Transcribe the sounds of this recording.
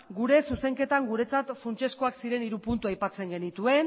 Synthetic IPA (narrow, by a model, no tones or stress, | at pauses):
ɡuɾe̞suse̞ŋke̞t̪aŋɡuɾe̞t͡sat̪funt͡ʃe̞sko̞aksiɾe̞niɾupunt̪uajpat͡se̞ŋɡe̞nit̪ue̞n